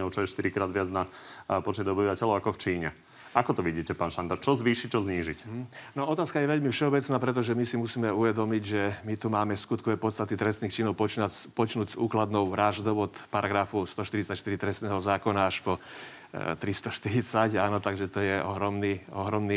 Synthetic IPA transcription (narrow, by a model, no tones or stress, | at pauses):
ɔʊt͡ʃɔjɛʃt̪iɾikɾaːd̪ʋɪad͡znapɔt͡ʃɲɛd̪ɔbiʋacɛʎɔʊakɔft͡ʃiːɲɛ | ʔakɔt̪ɔʋiɟiːcɛpaːnʃand̪at͡ʃɔzʋiːʃic̚t͡ʃɔzɲiːʒicnɔɔt̪aːskajɛʋɛʎmifʃɛɔbɛt͡snaːpɾɛt̪̬ɔʒɛmisimusiːmɛuʋɛd̪ɔmiɟʒɛmit̪umaːmɛskut̪kɔʋɛpɔtst̪at̪it̪ɾɛsniːxt͡ʃinɔʊpɔt͡ʃnapɔt͡ʃnuːɟzuːklad̪nɔʊʋɾaʒd̪ɔʊɔt̪paɾaɡɾafust̪ɔʃt̪iɾit͡sacʃt̪iɾit̪ɾɛst̪nɛːɦɔzaːkɔnaaʃpɔ | t̪ɾist̪ɔʃt̪iɾit͡sacaːnɔt̪aɡʒɛt̪ɔjɛʔɔɦɾɔmniɔɦɾɔmniː